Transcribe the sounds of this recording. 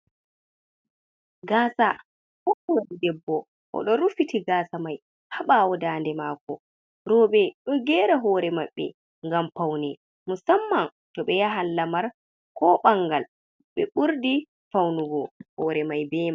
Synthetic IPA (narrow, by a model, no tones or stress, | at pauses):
ɡaːsa | ʔɔhodidɛbːɔ | ʔɔ̰ɗɔɾufitʰiɡaːsamaj | haɓawɔdaːndɛmakɔ | ɾɔɓɛɗɔɡɛɾaɦɔɾɛmaɓːɛ̰ | ŋɡampawnɛ | musamːan | tɔɓɛjaɦanːamaɾ | kɔɓaŋɡal | ɓɛɓuɾdi | fawnuɡɔhɔɾɛmajbɛːma